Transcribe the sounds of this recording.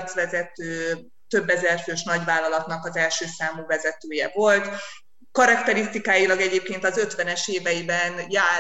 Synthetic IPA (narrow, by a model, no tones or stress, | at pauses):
t̪sʋɛzɛt̪øː | t̪ø̞bːɛzɛrføːʃnɒɟvaːlːɒlɒt̪nɒkɒzɛlʃøːsaːmuːvɛzɛt̪øːjɛ̰vo̞lt̪ | kɒɾɒkt̪ɛɾist̪ikaːjilɒɡɛɟeːp̚keːnt̪ɒzø̞t̪ʋɛnɛʃeːvɛjibɛnjaː